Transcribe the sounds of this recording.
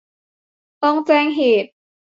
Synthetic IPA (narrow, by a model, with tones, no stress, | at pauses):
t̪ɔ˧˩ŋt͡ɕɛː˧˩ŋɦeː˨˩t̪̚